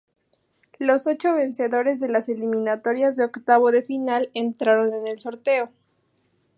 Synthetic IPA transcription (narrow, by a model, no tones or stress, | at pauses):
lo̞so̞t͡ʃo̞βe̞nse̞ðo̞ɾe̞zðe̞lase̞limĩnat̪o̞ɾjazðeokt̪aβoðe̞finale̞nt̪ɾaɾo̞ne̞ne̞lso̞ɾt̪e̞o̞